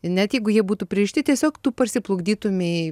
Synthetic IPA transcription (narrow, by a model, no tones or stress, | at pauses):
nʲɛt̪jɛɪɡʊjiɛbuːt̪upʲɾʲɪɪʃʲt̪ʲɪtʲiɛsʲoːkt̪uːpɐrʲsʲɪplˠʊɡd̪ʲiːt̪ʊmʲe